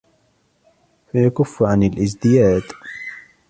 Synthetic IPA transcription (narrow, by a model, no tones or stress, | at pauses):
fajakʊfːʕanalʔɪzd̪ɪjaːd̪